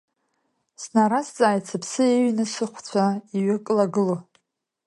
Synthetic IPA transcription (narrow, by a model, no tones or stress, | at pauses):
snaɾast͡sʼaːjt͡sʰapʰsɨeɥnɨsɨχʷt͡sʷʰaiɥakʼlaɡɨlo